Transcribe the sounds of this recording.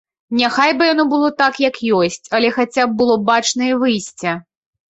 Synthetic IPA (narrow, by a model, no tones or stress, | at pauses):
nʲaxajbɨjan̪ɔbɨlˠɔt̪akjɐkjɔsʲt͡sʲɐlʲɛxat͡sʲab̚bɨlˠɔbat͡ʂnɐivɨjsʲt͡sʲɐ